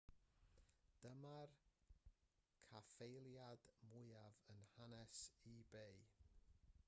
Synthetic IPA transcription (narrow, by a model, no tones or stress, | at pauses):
d̥əmar | kʰafejlˠjad̥mʊɨavənhanɛsibej